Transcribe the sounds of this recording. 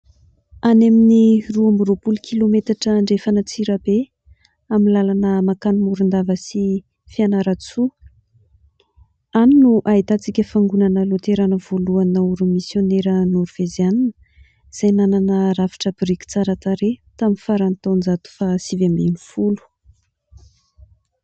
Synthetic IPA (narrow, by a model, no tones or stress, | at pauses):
anaminiruamuɾopulukʰʲilomet̪aʈ͡ʂəɳɖ͡ʐefanət͡siɾəbe | aminlalanəmakanimuɾund̪avəsi | fianaɾat͡su | aninuʔait̪at͡sikʲəfaŋɡunanəlot̪eɾanəv̥oluanauɾumisjoneɾənoɾv̥ezjaninə | z̥ajnananəravi̥ʈ͡ʂəbɾikʲi̥t͡saɾat̪aɾet̪aminfaɾant̪and͡zat̪u̥fasivamenifulu̥